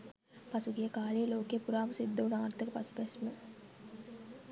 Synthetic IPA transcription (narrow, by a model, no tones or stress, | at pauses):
pɐsuɡijəkaːlijəloːkeːpuɾaːməsid̪ːɐunaːɾt̪əkəpɐsu̥pæsmə